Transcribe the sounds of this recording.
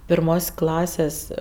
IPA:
pʲɪrˈmoːsʲ ˈklˠɑːsʲeːsʲ

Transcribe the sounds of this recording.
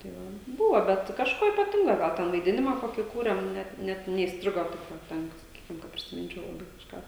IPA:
tɐɪ ˈʋɐ ˈbuːʋoː ˈbʲɛt kɐʃˈkoː iːpɐˈtʲɪŋɡoː ˈɡɐlˠ ˈtʲɛn ʋɐɪˈdʲɪnʲɪmɑː ˈkoːkʲiː kuːrʲeːm ˈnʲɛt ˈnʲɛt nʲɛiːsʲˈtʲrʲɪɡoː tɐɪp ˈʋɐ ˈtʲɛn sɐˈkʲiːkʲɪm kɐ pʲrʲɪsʲɪˈmʲɪnʲt͡ʃʲɛʊ lˠɐˈbɐɪ kɐʃˈkɑː

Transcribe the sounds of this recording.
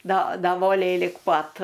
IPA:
doː doː ˈʋoːlʲɛɪ lʲɪk ˈpɐt

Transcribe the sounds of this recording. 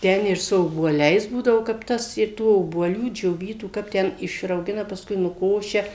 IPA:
ˈtʲɛn ɪr sʊ oːbuɔˈlʲɛɪs ˈbuːdɐʋoː kɐp ˈtɐs ɪr ˈtuː oːbuɔˈlʲuː d͡ʒʲoːˈʋʲiːtuː ˈkɐp tʲɛn ɪʃrɐʊˈɡʲɪnɐ pɐsˈkʊɪ nʊˈkoːʃʲɛ

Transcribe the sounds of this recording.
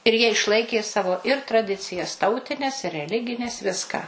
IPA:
ɪr jiɛ ɪʃˈlˠɐɪkʲeː ˈsɑːʋoː ɪr trɐˈdʲɪt͡sʲɪjɛs ˈtɐʊtʲɪnʲɛs ɪ rʲɛˈlʲɪɡʲɪnʲɛs ˈʋʲɪskɑː

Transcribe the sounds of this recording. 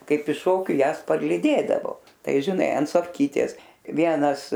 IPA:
ˈkɐɪp ɪʃ ˈʃoːkʲʊ ˈjæːs pɐrʲlʲiːˈdʲeːdɐʋoː ˈtɐɪ ʒʲɪˈnɐɪ ɐn soːfʲˈkʲiːtʲeːs ˈʋʲiɛnɐs

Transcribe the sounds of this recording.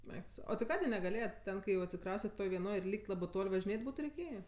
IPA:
ˈɛɪk tʊ ˈsɐʊ ˈoː tʲɪ ˈkɑːdʲeː nʲɛɡɐˈlʲeːjɛtʲ ˈtʲɛn kɐɪ jɛʊ ɐtʲsʲɪˈkrɐʊsʲtʲɛt ˈtoːj ʋʲiɛˈnoːj ɪr ˈlʲiːkʲtʲ ˈlˠɑːbɜ ˈtoːlʲ ʋɐʒʲɪˈnʲeːtʲ ˈbuːtʊ rʲɛɪˈkʲeːjeː

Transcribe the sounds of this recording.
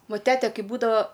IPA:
ˈʋɐ ˈtʲæːtʲɛ ˈkɐɪ ˈbuːdɐʋɐ

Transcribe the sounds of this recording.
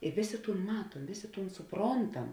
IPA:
ɪ ˈʋʲeːˌsʲeː ˈtuːn ˈmɑːtuɔm ʋʲeːˌsʲeː ˈtuːn sʊˈproːntɐm

